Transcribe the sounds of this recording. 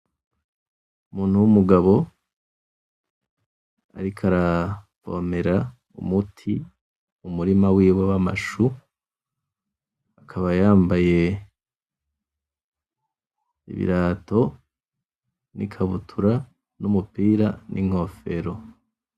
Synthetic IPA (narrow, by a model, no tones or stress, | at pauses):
umuːn̥huwumuɡaβo̞ | a̰ɾikʰaɾavo̞̰me̞ɾa | ṵmutʰi | umuɾimawiːwewama̰ʃu | akʰaβajaːmbaje̞ | ḭβḭɾaːto̞ | nḭkʰaβutʰuɾa | numupiːɾanʔiŋ̥o̞fe̞ɾo̞